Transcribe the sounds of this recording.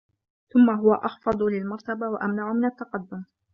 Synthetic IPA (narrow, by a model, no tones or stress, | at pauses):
θʊmːaɦʊwaʔɑxfɑd̪ˤlɪlmɑɾˤt̪abawaʔamnaʕʊmɪnat̪ːɑqɑd̪ːʊm